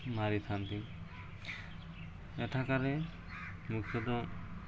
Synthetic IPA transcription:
maɾit̪ʰant̪i | ɛʈʰakaɾɛ | muksɔd̪ɔ

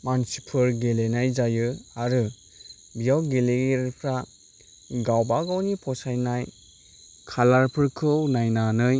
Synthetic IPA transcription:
mansipʰɯɾɡelenajzajɯaɾɯ | bijawɡeleɡeɾpʰɾa | ɡawbaɡawnipʰɔsajnaj | kʰalaɾpʰɯɾkʰɯwnajnanɯj

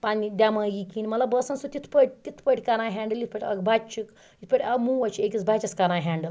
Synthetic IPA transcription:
panid̪ʲamãjikinʲmɐlabəsɐnsut̪it̪ʰpəʈ̚ʲt̪it̪ʰpəʈʲkanajɦɛɳɖəlit̪̚ʰpəʈʲɐ̰kbʱat͡ʃik | it̪ʰpəʈʲɐɡmuʋɐt͡ʃekit͡sbʱat͡ʃɐskanajɦɛ̃ɳɖəl

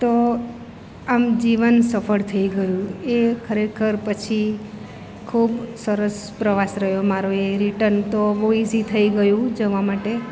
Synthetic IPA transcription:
t̪o | amd͡ʒiʋənsəfʰəɽt̪ʰəiɡəjũekʰəɾekʰəɾpət͡ʃʰi | kʰubsəɾəs | pɾəʋasɾəɦjomaɾoeɾiʈəɾnt̪oʋoizit̪ʰəiɡəjũd͡ʒəʋamaʈe

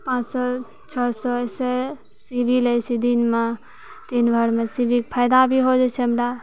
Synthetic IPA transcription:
pãːt͡ʃsɔ | t͡ʃʰɔsɔɛse | sibʱilət͡ʃʰid̪inme | t̪inbʱəɾmesibʱik̚pʰəjd̪abʱiɦod͡ʒɛt͡ʃʰɛmɖa

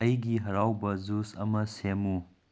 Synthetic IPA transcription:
ɐiɡiɦɐɾaːwbɐzusɐ̰mɐsemu

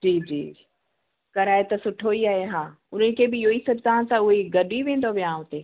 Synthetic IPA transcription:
d͡ʑiːd͡ʑḭː | kɐɾaːet̪ɐsʊʈʰoiaːɦeɦãː | ʊn̤ənɪ̆kʰebɪoːisɐbt̪aːnsãʊɦeɡɐɗiʋẽːn̆d̪oʋijãɦʊt̪eː

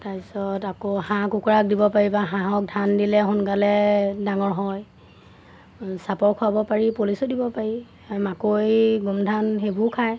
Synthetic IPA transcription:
tasɔtakoɦãkukuɹak̚dibɔpaɹibaɦãɦɔk̚dʱandilɛɦʊnɡalɛdaŋɔɹɦɔj | sapɔɹkʰuabɔpaɹipolisɔdibɔpaɹi | makojɡumdʱanɦebukʰaj

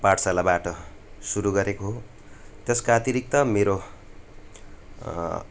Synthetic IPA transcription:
paʈsalabaʈʌ | suɾuɡʌɾekoɦo | t̪eskaʌt̪iɾik̚t̪ʌmeɾo

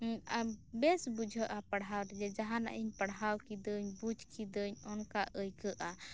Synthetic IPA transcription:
abɛsbud͡ʒʱəʔapaɽɦawɾɛd͡ʒɛd͡ʒaɦana̰ʔiɲpaɽɦawkid̪əɲbud͡ʒʱkid̪əɲɔnkaʔəjkəʔa

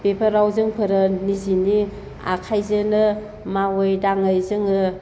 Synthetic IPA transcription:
pepʰəɾawzɯŋpʰɯɾɯnizini | a̰kʰajzɯnɯ | mawɯjdaŋɯjzɯŋɯ

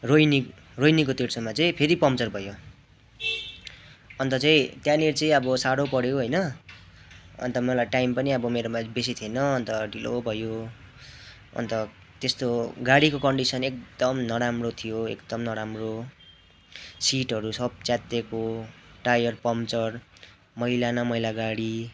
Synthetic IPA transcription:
rojni | rojnikot̪eɽsʰʌmat͡sʌĩpʰeɾipʌmt͡sʌrbʱʌjo | ʌnt̪ʌt͡saĩt̪janert͡sʌĩʌbʌsaɽopʌɽjoɦʌjnʌ | ʌ̰nt̪ʌmʌlajʈajmpʌniʌbʌmeɾomabes̬it̪ʰienʌːnt̪ʌɖʱilo̰bʱʌjo | ʌ̰nt̪ʌ | t̪est̪oɡaɽikokʌɳɖisʌnek̚d̪̥ʌmnʌɾamrot̪ʰijoḛkd̪ʌmnʌɾamro | siʈɦʌɾusʌb̚t͡sjat̪ekoʈajʌrpʌmt͡sʌr | mʌilanʌmʌjlaɡaɽi

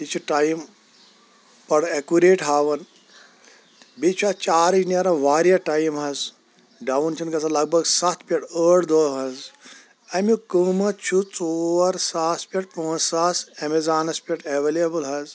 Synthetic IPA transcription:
it͡ʃʰuʈajm | pɐɽekuɾeːʈɦaːʋɐn | bit͡ʃʰuat͡ʃaːɾinʲɐɾɐʋaːɾijɐʈajmɦɐz | ɖɐwnt͡ʃʰɐnkɐsʰɐlɐɡ̚bʱɐɡsɐt̪ʰpʲɐʈəːɽd̪oːɦɐz | ɐmjukɨːmɐt͡ʃʰut͡soːɐɾsaːspʲɐʈ̚põːzsaːsemezaːnɐspʲɐʈeʋeliɐbɐlɦɐz

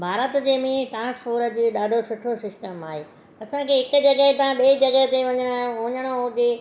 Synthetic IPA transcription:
bʱaːɾət̪d͡ʑeːmĩʈɾãːnspʰoːɾəd͡ʑiːɗaːɖʱosʊʈʰosɪsʈəmaːɦeː | ɐsãkʰeɦɪkʊ̆d͡ʑɐɡəɦet̪ɐãɓeːid͡ʑɐɡɛɦt̪eʋɐɲəɽ̃ʊ̃ɲəɽ̃oʊd͡ʑeː

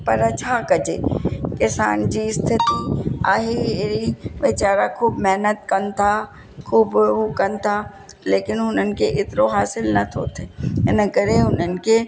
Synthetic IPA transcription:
pɐɾət͡ʃʰakɐd͡ʒḛːkɪsa̰ːnd͡ʒist̪ʰɪt̪ia̰ːɦeeɾiʋɪt͡ʃaːɾakʰuːbmɛɦnət̪kɐnt̪ʰa | kʰuːbɦukɐnt̪ʰa | leːkɪnɦʊnənkeʔɪt̪ɾoɦaːsɪlnɐt̪ʰo̰ːt̪ʰeenɐkəɾeɦʊnənke

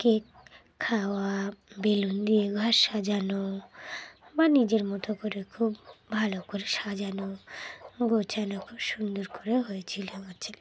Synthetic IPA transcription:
kekʰː | awabelund̪ieɡʱaʃad͡ʒano | banid͡ʑeɾmɔt̪okoɾekʰubbʱalokoɾeʃad͡ʒano | ɡot͡ɕanakʰubʃund̪oɾkoɾeɦojet͡ɕʰiloot͡ɕʰil

